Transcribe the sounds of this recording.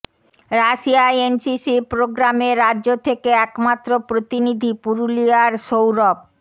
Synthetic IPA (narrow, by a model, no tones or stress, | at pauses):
ɾaʃiajensisipɾoɡɾameɾadːʑot̪ʰekeɛkmat̪ːɾopɾot̪inid̪ʱipuɾuliaɾʃowɾɔb̚